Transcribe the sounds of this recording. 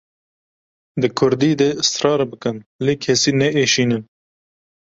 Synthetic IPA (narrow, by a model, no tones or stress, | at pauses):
d̪ɨkʰʊɾd̪iːd̪eɨst̪ɾɑːɾbɨkɨnleːkʰɛsiːnɛʔeːʃiːnɨn